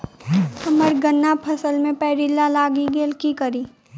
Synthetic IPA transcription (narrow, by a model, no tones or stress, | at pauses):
kɐməɾɡənːapʰɐsəlmẽpɛːɾilːalaːɡiɡeːlkikəɾi